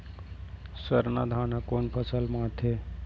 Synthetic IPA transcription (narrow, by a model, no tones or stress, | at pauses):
səɾnad̪ʱaːnakonpʰəsəlmat̪ʰe